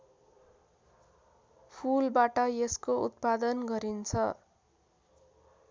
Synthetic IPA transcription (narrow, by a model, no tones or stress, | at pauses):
pʰulbaʈʌjeskoṵt̪̚pad̪ʌnɡʌɾint͡sʰʌ